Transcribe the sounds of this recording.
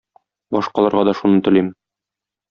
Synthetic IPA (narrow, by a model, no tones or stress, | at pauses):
bɒʃqɑlˠɑɾʁɑd̪ɒʃunɤt̪ɘ̆lim